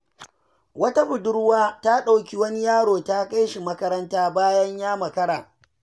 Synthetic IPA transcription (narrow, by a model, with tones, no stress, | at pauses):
wɐ˦ta˦ɸʊ˨dʊ˦ɽwaː˦ta˦ɗa˨wkʲi˦wɐ˦ni˦jaː˦ɽoː˨ta˦ka˦jʃi˨mɐ˦kɐ˦ɾɐ˦ntaː˦baː˦jɐ˦ɲjaː˦mɐ˨kɐ˦ɽaː˨